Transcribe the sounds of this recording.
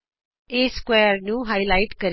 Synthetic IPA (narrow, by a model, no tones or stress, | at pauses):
eːskwɛːəɾnũːɦaːilaːɪʈkəɾ